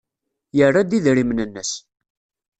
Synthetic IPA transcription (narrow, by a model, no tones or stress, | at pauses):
jərˤːad̪iðɾimnənːəs